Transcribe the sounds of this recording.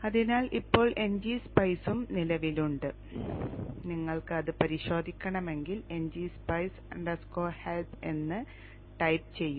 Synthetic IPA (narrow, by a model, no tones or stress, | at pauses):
ɐðinaːlʔipːo̞ːɭʔe̞ɲd͡ʑiːspɐjsumnilɐʋiluɳɖɨ | niŋːɐɭkɨɐðɨpɐɾiɕo̞ːd̪ʱikʲːɐɳɐme̞ŋɡile̞ɲd͡ʑiːspɐjs | ɐɳɖɐskoːhelpe̞nːɨ | ʈɐjp̚t͡ɕe̞jːum